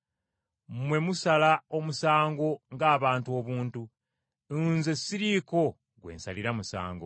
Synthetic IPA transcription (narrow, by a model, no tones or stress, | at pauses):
mwe̞musalao̞musaːŋɡo̞ŋɡaːβaːntuo̞βuːntu | nze̞sːiɾiːko̞ | ɡwe̞̰ːnsaliɾamusa̰ːŋɡo̞̰